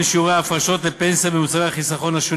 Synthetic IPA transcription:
ʃiuʁeːfaʃo̞t̪lepensabemut͡saʁeaχisaχo̞naʃu

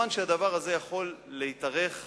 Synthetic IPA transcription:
anʃead̪avaʁaze̞jaχo̞lːeit̪aʁe̞χ

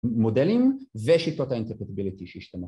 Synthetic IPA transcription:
modelimveʃit̪ot̪aint̪eʁpet̪ibilit̪iʃeiʃt̪ane

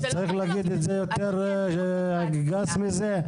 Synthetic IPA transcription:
t͡saʁiχlaaɡid̪et̪zejot̪eʁ | a | ɡasmize

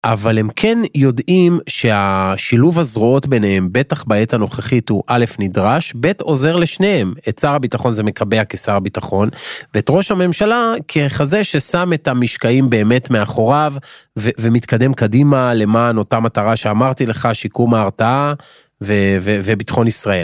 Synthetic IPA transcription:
ʔavale̞mkʰe̞njo̞dimʃe̞aʃiluvhazʁoo̞tbe̞nehembe̞taχbae̞tano̞χeχituʔale̞fnidʁaʃbe̞to̞ze̞ʁle̞ʃne̞emett͡saʁabitaχo̞nze̞me̞kʰabe̞akesaʁabitaχo̞nveːtʁo̞ʃhame̞mʃalakʰe̞χazeʃe̞same̞tamiʃkaimbe̞ːme̞tme̞aχo̞ʁavevemit̪kade̞mkadimale̞maːno̞tamataʁaʃe̞amaʁtile̞χaʃikumaːʁtaa | vevevebitχo̞nisʁae̞l

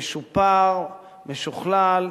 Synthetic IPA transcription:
eʃupaʁ | meʃuχlal

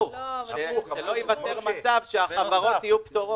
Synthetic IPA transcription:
ʃʃelojivat͡seʁt͡savʃeaavaʁot̪ijupt̪o

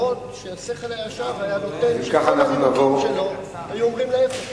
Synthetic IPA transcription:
ot̪ʃeaseχelajaʃavajanot̪envekaχanaχnunavo̞ʁʃelo | hajuomʁimlev

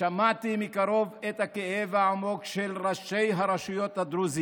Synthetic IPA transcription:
amaʕt̪imikaʁo̞vet̪hakeʔevaamo̞kʃelʁaʃe̞jɦaʁaʃujo̞t̪had̪ɾuzi

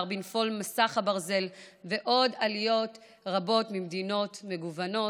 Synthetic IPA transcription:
ʁbinfo̞lmasaχhabaʁze̞lve̞ʔo̞dalijo̞t | ʁabo̞tmimd̪ino̞tme̞ɡuvano̞

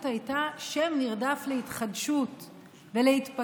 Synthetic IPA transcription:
thajtaʃemniʁdaflehitχadʃut | velehitpa

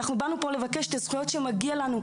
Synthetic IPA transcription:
aχnubanupo̞levakeʃet̪azχujo̞t̪ʃemaɡialanu

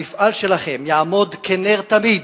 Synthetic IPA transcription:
ifalʃelaχe̞mjaamo̞d̪kʰeneʁt̪amid̪

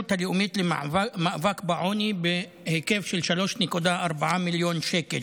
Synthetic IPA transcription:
ut̪haleumit̪lemaʔvakbeʕonibe | heke̞vʃelʃalo̞ʃnekud̪aaɾbaʕamiljonʃekḛl

